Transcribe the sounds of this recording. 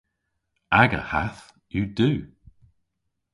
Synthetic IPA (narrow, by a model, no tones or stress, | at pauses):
aɡə̰haθ | juduː